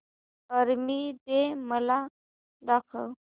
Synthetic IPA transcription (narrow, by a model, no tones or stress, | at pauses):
əɾmiːd̪eməla | d̪akʰəw